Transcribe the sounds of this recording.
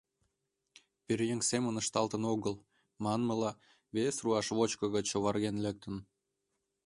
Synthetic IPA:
peɾjeŋsemə̆nəʃt̪ɑlt̪ənoɣəl | mɑnməlɑ | βesruɑʃβot͡ɕkɤ̆ɣət͡ɕoβɑrɣenlek̚t̪ən

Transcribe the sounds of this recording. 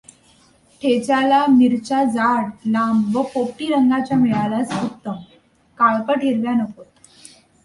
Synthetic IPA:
ʈʰet͡ɕalamiɾt͡ɕad͡zaɽlamʋəpop̚ʈiːɾəŋɡat͡ɕjamiɭalasəkt̪ːəm | kaɭpəʈʰiɾʋjanəkot̪̚

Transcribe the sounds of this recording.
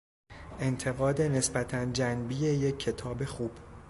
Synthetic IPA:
ʔe̞nt̪ʰe̞ɣɒːd̪e̞ne̞sbæt̪ʰænd͡ʒænbiːje̞jecʰːe̞t̪ʰɒːbe̞xuːb̥

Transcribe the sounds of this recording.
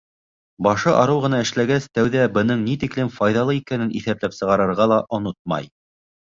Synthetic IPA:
bɑʃɤʔɑɾɤwʁɤ̆nɑɘ̆ʃlæɡæst̪æwðæbɤ̆nɤɴnit̪iklɘmfɑjðɑlˠɤikænɘnʔḭθæplæpsɤ̆ʁɑɾɤ̆ɾʁɑlˠɑʔŏnot̪̚mɑ̰j

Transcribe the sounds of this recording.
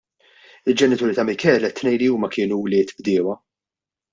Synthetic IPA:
ɪld͡ʒɛnɪt̪uːɾɪt̪ɐmɪkɛːlɛt̪ːnɛjliuːmɐkɪːnuwlɪːt̪bd̪ɪːwɐ

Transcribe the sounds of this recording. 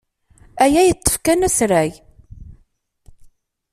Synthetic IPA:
æjæjət̪ˤːə̥fkænæsɾæj

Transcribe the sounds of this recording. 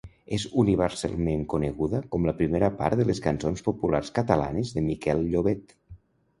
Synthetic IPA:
ezuniβ̞əɾsa̰lˠmeŋkunəɣuðəkɔmləpɾimeɾəpa̰ɾt̪ðələskənsonspopula̰rskət̪əla̰nəzðəmikɛlʎoβet̪

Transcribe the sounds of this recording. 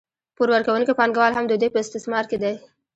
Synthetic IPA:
puɾwəɾkawunkipɑŋɡawɑlɦamd̪əd̪epəɪst̪ɪsmɑɾked̪aj

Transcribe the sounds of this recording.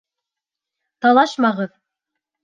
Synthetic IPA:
t̪ɑlˠɑʃmɑʁɤð

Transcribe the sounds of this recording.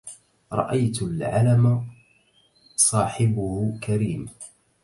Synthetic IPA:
ɾˤɑ̰ʔajt̪ʊlʕalama | sˤɑːħɪbʊhʊkʰaɾiːm

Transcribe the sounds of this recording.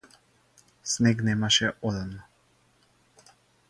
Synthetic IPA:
snɛknɛmaʃɛʔɔd̪amnɔ

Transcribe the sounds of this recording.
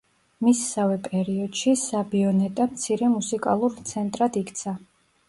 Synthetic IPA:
misːavɛpʼɛɾiɔd̪̥ʃisabiɔnɛt̪ʼamt̪sʰiɾɛmusikʼa̰lˠuɾt̪sʰɛnt̪ʼɾad̪ikʰʼt̪sʰa

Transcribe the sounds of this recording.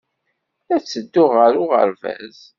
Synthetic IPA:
æt͡sːəd̪ːʊʁəɾʊʁə̰ɾvæ̰z

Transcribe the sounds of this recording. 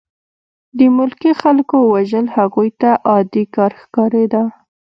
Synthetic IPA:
d̪əmʊlkixalkowaʒəlhaɣujt̪aʔɑd̪ikɑɾxkɑɾed̪a

